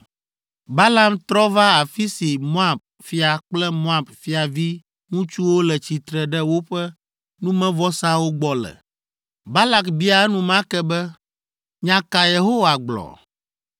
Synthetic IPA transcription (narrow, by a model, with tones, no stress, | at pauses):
ba˦la˦mt̪ɾɔ˦va˦a˨fi˦si˨mo˦a˦˨b̚ | fi˦a˨k͡plɛ˦mo˦a˨bfi˦a˨vi˦ | ŋũ˦t͡ʃu˦wo˦lɛ˨t͡ɕi˨t̪ɾɛ˨ɖɛ˦wo˦ɸɛ˦ | nũ˦mɛ̃˦vɔ˦sã˦wo˦ɡ͡bɔ˨lɛ̰˨ | ba˦la˦kbi˦a˨˦nũ˦mã˦kɛ˦bɛ˦ | ɲã˨ka˨je˨ɦo˦wa˨ɡ͡blɔ̰˨